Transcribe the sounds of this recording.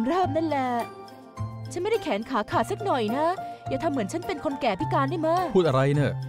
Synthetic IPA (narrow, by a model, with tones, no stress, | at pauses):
mɾɤː˥˩p̚na˥˩nlɛ˨˧˩ | t͡ɕʰnm˥˩da˥˩jkʰɛː˩˦nkʰaː˩˦kʰaː˨˩sa˦˥k̚nɔ˨˩jna˦˥jaː˨˩t̪ʰa˧mːɯ˩˦ənt͡ɕʰa˦˥npe˧nkʰo˧nkɛː˨˩pʰi˦˥kaː˧nːda˥˩jma˦˥uː˥˩t̪̚ʔa˧ɾa˧jnɯ˥˩